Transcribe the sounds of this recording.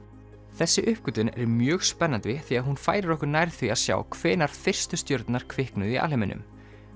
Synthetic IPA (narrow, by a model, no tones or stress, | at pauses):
θɛsːɪʔʏhpkʏt̪ʏnɛ̰ɾmjœːɣspɛnːant̪vɪθiaðɦunfaːjɾɪɾɔhkʏɾnajɾθviaðsja̰ːwkʰvɛːnaɾ̥fɪr̥st̪ʏst̪jœɾt̪naɾ̥kʰvɪhknʏðia̰lɪmɪnʏ̰m